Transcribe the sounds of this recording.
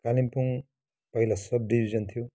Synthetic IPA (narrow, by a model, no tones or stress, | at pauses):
kalimpuŋ | pʌjlasʌb̚dibʱizʌnt̪ʰiju